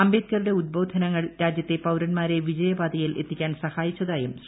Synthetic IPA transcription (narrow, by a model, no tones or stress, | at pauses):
ɐmbeːd̪kɐruɽe̞ud̪̚bo̞ːd̪ʱɐnɐŋːɐɭɾaːd͡ʑjɐt̪ːe̞pɐwɾɐnmaːɾe̞ʋid͡ʑɐjɐbaːd̪ɐjilʔe̞t̪ːikʲːaːnsɐhaːjit͡ɕːɐðaːjum